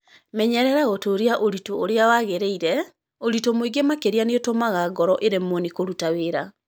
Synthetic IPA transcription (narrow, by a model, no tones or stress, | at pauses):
mɛɲɛɾɛɾaɣotoːɾeaʔoɾitoːɾeawaɣeɾeiɾɛ | oɾitomoiɡemakeɾeaneotomaɣaɡɔɾɔʔeɾemonikoɾutaweɾa